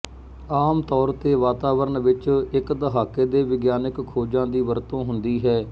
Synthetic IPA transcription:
aːmt̪ɔːɾt̪eːʋaːt̪aːʋəɾəɳʋɪt͡ʃɪkd̪əɦaːkeːd̪eːʋɪɡjaːnɪkkʰːoːd͡ʒãːd̪iːʋəɾt̪õːɦʊnd̪iːɦɛː

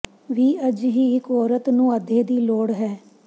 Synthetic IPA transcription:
ʋiːəd͡ʒɦiːɪkɔːɾət̪nũːəd̪ʱeːd̪iːloːɽɦɛː

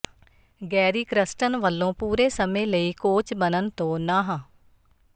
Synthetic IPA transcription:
ɡɛːɾiːkɾɪsʈənʋəlːõːpuːɾeːsəmẽːləiːkoːt͡ʃbənənt̪õːnaːɦãː

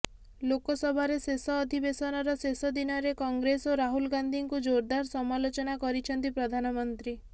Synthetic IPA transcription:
lokɔsɔbʱaɾesesɔːd̪ʱibesɔnɔɾɔsesɔd̪inɔɾekɔŋɡɾesoɾaɦulɡand̪ʱiŋkud͡ʒoɾd̪aɾsɔmalot͡ʃɔnakɔɾit͡ʃʰɔnt̪ipɾɔd̪ʱanɔmɔnt̪ɾi

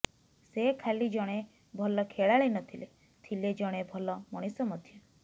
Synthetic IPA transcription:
sekʰalid͡ʒɔɽ̃e | bʱɔlɔkʰeɭaɭenɔt̪ʰile | t̪ʰiled͡ʒɔɽ̃ebʱɔlɔmɔɽ̃isɔmɔd̪ʱjɔ

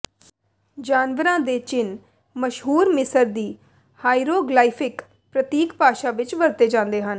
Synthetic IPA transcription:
d͡ʒaːnʋəɾãːd̪eːt͡ʃɪn | məʃɦuːɾmɪsəɾd̪iː | haːiɾoːɡlaːipʰɪk | pɾət̪iːkpaːʃaːʋɪt͡ʃbəlt̪eːd͡ʒãːnd̪eːɦən

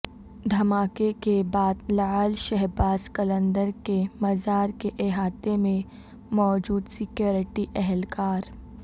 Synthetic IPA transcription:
d̪ʱɐmaːkekebaːd̪lɐaːlʃɛɦbaːskɐlə̃nd̪əɾkemɐzaːɾkeʔeɦaːt̪emẽ | mɔːd͡ʒuːd̪sɪkjoːɾɪʈiʔɛɦɛlkaːɾ

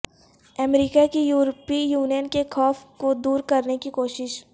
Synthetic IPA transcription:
ɛmɾiːkakijuːɾpijuːnijənkexɔːfkod̪uːɾkɐɾnekikoːʃɪʃ

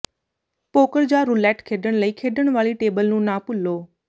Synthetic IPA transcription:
poːkəɾd͡ʑaːɾʊlɛːʈkʰeːɖəɽ̃ləiːkʰeːɖəɽ̃ʋaːliʈeːbəlnũːnaːpʊloː

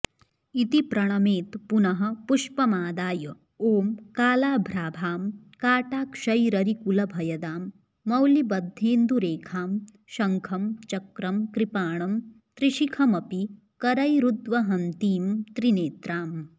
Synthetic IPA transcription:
it̪ipɾɐɳ̃ɐmeːt̪punɐɦɐ̆puʂpɐmaːd̪aːjɐ | oːmkaːlaːbʱɾaːbʱaːm | kaːʈaːkʃɐjɾɐɾikulɐbʱɐjɐd̪aːmː | ɐwlibɐd̪ʱːeːnd̪uɾeːkʰaːm | ʃɐŋkʰɐmt͡ʃɐkɾɐmkɾipaːɳɐm | t̪ɾiʃikʰɐmɐpi | kɐɾɐjɾud̪ʋɐɦɐnt̪iːmt̪ɾineːt̪ɾaːm

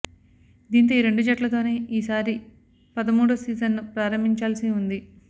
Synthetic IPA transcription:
d̪iːnt̪oːiːɾe̞ɳɖud͡ʒɐʈlɐt̪o̞ːne̞ːiːsaːɾi | pɐd̪ɐmuːɽusiːzɐnːupɾaːɾɐmiɲt͡ʃaːlsiund̪i

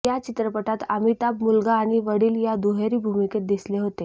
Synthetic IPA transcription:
jat͡ɕit̪ɾəpəʈat̪amit̪ab̚mulɡaːɽ̃iʋəɽiːljad̪uɦeɾiːbʱumiket̪̚d̪isleɦot̪e

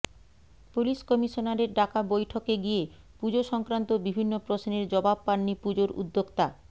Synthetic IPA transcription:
puliʃkɔmiʃonaɾeɾɖakabojʈʰokeɡie | pud͡ʑoʃɔŋkɾant̪obibʱinːopɾosneɾd͡ʑɔbab̚paɽːipud͡ʑoɾṵd̪ːokt̪a

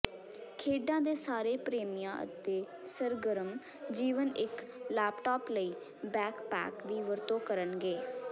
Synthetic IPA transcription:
kʰeːɖãːd̪eːsaːɾeːpɾeːmijãːʔə̰t̪eː | səɾɡəɾəm | d͡ʒiːʋənʔɪk | lɛːpʈɔːpləiː | bɛːkpɛ̰ːkd̪iːʋəɾt̪õːkəɾənɡeː

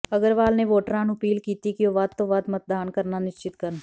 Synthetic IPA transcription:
ɐɡəɾʋaːlneʋoːʈəɾãːnʊpiːlkiːt̪ikioːʋad̪̚t̪ːoʋad̪mət̪̚d̪aːnkəɾnanɪʃt͡ʃɪt̪kəɾən

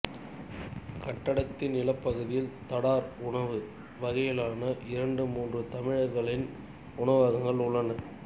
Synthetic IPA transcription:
kɐʈːɐɽɐt̪ːɪnɪlɐpːɐɣɯðɪjɪlt̪ɐɽaːɾʊɳɐʋɯ | ʋɐɣɐjɪlaːnɐʔɪɾɐɳɖɯmuːndrɯt̪ɐmɪɻɐɾɣɐɭɪn | ʊɳɐʋaːɣɐŋɡɐɭʊɭːɐnɐ

